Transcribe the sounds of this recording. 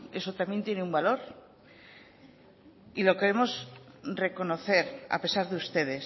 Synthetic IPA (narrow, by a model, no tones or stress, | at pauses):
e̞sot̪amje̞nt̪je̞neumbalo̞ɾ | ilo̞ke̞ɾemo̞sre̞ko̞no̞θe̞ɾa̰pe̞saɾðeust̪e̞ð̞e̞s